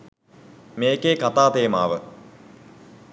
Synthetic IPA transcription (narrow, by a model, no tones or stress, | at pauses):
meːkekat̪aːt̪eːma̰ːʋə